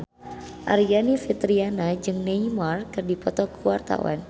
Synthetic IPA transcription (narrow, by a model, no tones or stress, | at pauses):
ʔa̰ɾianifit̪ɾianad͡ʒɨŋnejmarkɨrdipɔt̪ɔkuwart̪a̰wa̰n